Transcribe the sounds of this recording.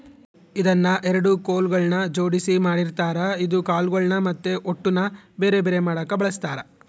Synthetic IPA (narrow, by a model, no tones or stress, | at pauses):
id̪ɐnːɐʔɛɾɐɽukoːlɡɐɭnɐd͡ʒoːɽisimaːɽiɾt̪aːɾɐid̪ukaːlɡɐɭnɐmɐt̪ːeʔoʈːunɐbe̞ːɾebeːɾe̞maːɽɐːkːɐbɐɭɐst̪aːɾɐ